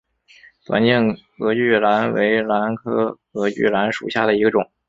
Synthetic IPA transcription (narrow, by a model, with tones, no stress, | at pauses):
t̪wa̰˧˥nt͡ɕɛ˥˩n | ɤ˧˥y˥˩la˧˥nwḛ˧˥ɪla˧˥nkʰɤ˥ | ɤ˧˥y̰˥˩la˧˥nʂṵ˨˩ɕja̰˥˩d̪ə˩i˧˥ɡə˧ʈ͡ʂʊ˨˩˦ŋ